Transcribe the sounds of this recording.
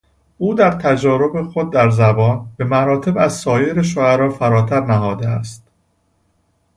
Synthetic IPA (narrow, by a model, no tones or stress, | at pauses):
uːd̪æɾt̪ʰæd͡ʒɒːɾo̞bexod̪̚ːæɾzæbɒːnbe̞mæɾɒːt̪ʰe̞bæzsɒːjeɾeʃ̬oæɾɒːfæɾɒːt̪ʰæɾnæɦɒːd̪eæst̪̚